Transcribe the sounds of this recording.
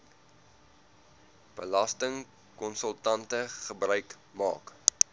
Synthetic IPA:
b̥əlɐstəŋ | kɔnsəlˠtɐntəχəbrœɥk | mɑ̰ːk

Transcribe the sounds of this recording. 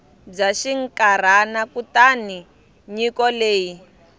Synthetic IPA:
b͡ʐaʃiŋkaɾ̤anakutani | ɲikɔleːji

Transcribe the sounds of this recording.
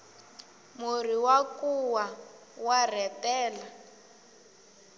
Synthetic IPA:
mur̤iwakuwa | war̤ɛtɛːla

